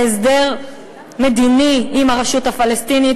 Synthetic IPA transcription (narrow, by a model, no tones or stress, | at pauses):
esd̪eʁ | med̪iniimaʁaʃutafalest̪ini